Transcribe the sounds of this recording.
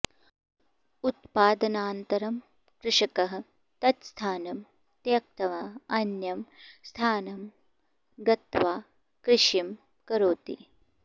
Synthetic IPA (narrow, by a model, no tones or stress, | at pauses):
ut̪̚paːd̪ɐnaːnt̪ɐɾɐm | kɾɪʂɐkɐɦɐ̆ | t̪ɐt̪st̪ʰaːnɐm | t̪jɐk̚t̪ɐʋaɐnjɐmst̪ʰaːnɐm | ɡɐt̪ʋaː | kɾɪʃim | kɐɾoːt̪ḭ